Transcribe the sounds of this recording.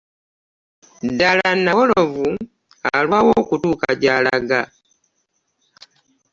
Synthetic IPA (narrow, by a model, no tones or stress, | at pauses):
dalanːawo̞lovu | alwaːwoːkutuːkaɟalaɡa